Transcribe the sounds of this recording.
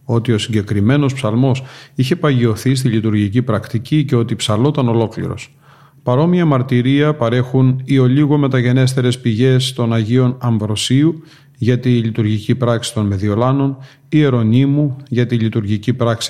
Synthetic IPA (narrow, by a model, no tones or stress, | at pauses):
o̞t̪io̞siɲɟe̞kɾime̞no̞spsɐlmo̞siçe̞pɐʝio̞θis̬t̪iʎit̪uɾʝicipɾɐkt̪icice̞o̞t̪ipsɐlo̞t̪ɐno̞lo̞klḭɾo̞̰s | pɐɾo̞miɐmɐɾt̪iɾiɐpɐɾe̞xunio̞liɣo̞me̞t̪ɐʝe̞ne̞st̪e̞ɾe̞spiʝe̞st̪o̞nɐʝio̞nɐɱvɾo̞siu | ʝɐt̪ilit̪uɾʝicipɾɐksi̥t̪o̞nme̞ðio̞lɐno̞n | ie̞ɾo̞nimuʝɐt̪ilit̪uɾʝicipɾɐksi̥